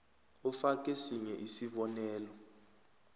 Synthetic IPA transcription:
ufakʼesiɲɛʔisiɓɔnɛːlɔ

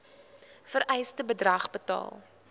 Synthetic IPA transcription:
fəɾʔɛjstəbədrɐχbətɑ̰ːlˠ

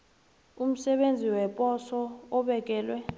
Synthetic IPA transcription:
um̩sɛɓend͡zʱiwɛpʼɔsɔːɓɛk̬ʼɛːlwɛ

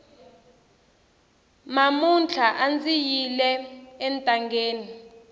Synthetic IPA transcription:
mamunt͡ɬʰaʔand͡zijilɛɛntʼaŋɡeːni

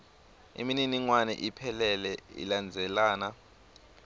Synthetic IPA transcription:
ḭmininiŋwanɛ̰ʔipʰɛlɛlɛḭland͡zʱɛlaːna

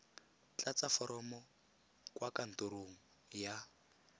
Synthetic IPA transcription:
t͡ɬat͡safɔɾɔmɔ | kwakan̩toɾoŋ̩ | ja

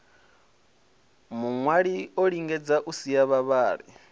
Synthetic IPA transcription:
muŋwaɺioɺiŋɡɛd͡zaʔusijaβaβaːɺi

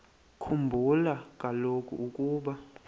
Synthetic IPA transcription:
kʰumbʱulak̬ʼalokʰʼṵʔukʼuːɓa

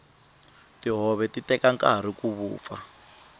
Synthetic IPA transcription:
tiɦɔβɛtitɛkaŋkʼaɾ̤ikuβṵːp̪fa̰

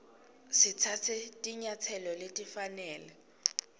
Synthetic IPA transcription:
sɪt͡sʰat͡sʰɛtʼiɲat͡sʰɛlɔletʼifanɛːlɛ

